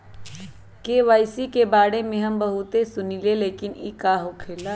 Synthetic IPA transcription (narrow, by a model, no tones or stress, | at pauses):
keʋaːɪsikebaːɽemẽɦɐmbɐɦʊt̪esʊnileleːkɪnikaɦokʰeːlaː